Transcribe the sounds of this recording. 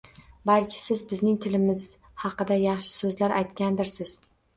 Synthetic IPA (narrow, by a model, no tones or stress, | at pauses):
balkʲʰɪ̥sɪzbɪznɪŋt̪ʰɪlɪmɪz̥ | hɑqɨd̪ajɑχʃɪ̥sɵzlaɾʔajt̪kʲand̪ɪɾsɪz̥